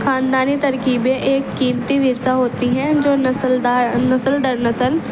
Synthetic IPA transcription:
kʰaːnd̪aːnit̪əɾkiːbẽʔeːkːiːmt̪iʋɪɾsaɦoːt̪iɦɛ̃d͡ʒoːnəsəld̪aːnəsəlɖ̪əɾnəsəl

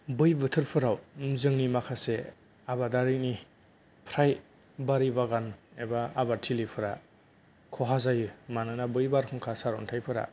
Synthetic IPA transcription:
bɯjbɯtʰɯɾpʰɯɾawmzɯŋnimakʰase | abadaɾini | pʰɾaj | baɾibaɡanebaabatʰilipʰɯɾa | kʰɔɦazajɯmanɯnabɯjbaɾkʰuŋkʰasaɾɔ̰ntʰajpʰɯɾa̰

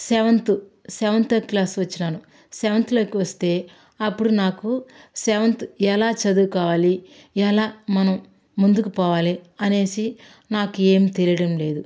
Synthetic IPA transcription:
sɛːʋɐnt̪usɛːʋɐnt̪oːkiklaːsʋɐt͡ʃːinaːnu | sɛːʋɐnt̪iloːkiʋɐst̪e̞ː | ɐpːuɽunaːkusɛːʋɐnt̪uɛlaːt͡ʃɐd̪uːkaːʋaːli | ɛlaːmɐnɐmː | und̪ukupɔːʋaːliɐne̞ːsi | naːkue̞ːmt̪e̞lijɐɽɐmle̞ːd̪u

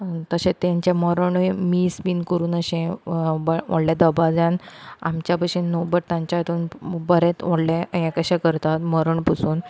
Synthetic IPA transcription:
t̪əɕẽt̪ãɲt͡ɕaməɾəɳmiːsbiːnkəɾuːnəɕẽbʋɔ̰ɽljad̪əbad͡zãna̰mt͡ɕjapəɕĩnːobəʈ̚t̪ãɲt͡ɕat̪uːnbəɾet̪ʋɔɽlẽẽkəɕakəɾt̪at̪məɾəɳpusuːn

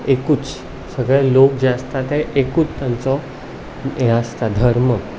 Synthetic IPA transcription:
ekuːt͡s | səɡɭɛlok̚d͡ʑeəst̪at̪ɛʔekuːt͡st̪jãnt͡sɔ | ɛ̃əst̪ad̪ʱəɾmə

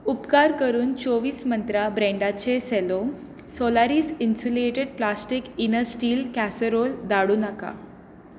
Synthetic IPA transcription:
upkaɾkəɾuːnt͡soʋiːsmənt̪ɾabɾẽɳɖat͡ɕeselom | solaɾiːsinsuleʈeɽ̚plasʈikinəsʈiːlkæsəɾold̪aɽuːnaka̰

